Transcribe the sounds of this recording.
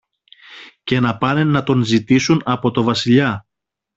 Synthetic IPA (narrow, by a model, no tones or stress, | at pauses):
ce̞nɐpɐnenːɐt̪o̞nzit̪isunɐpo̞t̪o̞vɐsiʎɐ